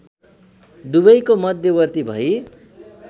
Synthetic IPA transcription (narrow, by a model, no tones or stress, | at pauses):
d̪ubʌjkomʌd̪ʱjʌwʌrt̪ibʱʌi